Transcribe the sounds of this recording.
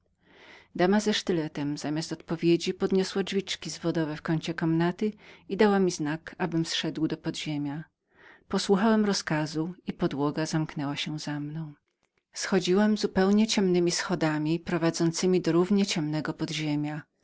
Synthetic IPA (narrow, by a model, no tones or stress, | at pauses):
d̪amazɛʂt̪ɘlɛt̪ɛmzamʲast̪ɔt̪pɔvʲjed͡ʑipɔd̪ɲɔswad͡ʐvʲit͡ʂkʲizvɔd̪ɔvɛfkɔɲt͡ɕɛkɔmnat̪ɘid̪awamʲiznakabɘmsʂɛd̪wd̪ɔpɔd̪ʑemʲja | pɔswuxawɛmɾɔskazuipɔd̪wɔɡazamknɛwaɕɛzamnɔ̃w̃ | sxɔd͡ʑiwɛmzupɛwɲɛt͡ɕɛmnɘmʲisxɔd̪amʲipɾɔvad̪zɔnt̪sɘmʲid̪ɔɾuvɲɛt͡ɕɛmnɛɡɔpɔd̪ʑemʲja